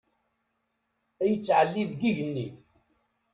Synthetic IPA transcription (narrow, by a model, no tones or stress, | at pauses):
æjət͡sːʕəlːiðɡiʝənːi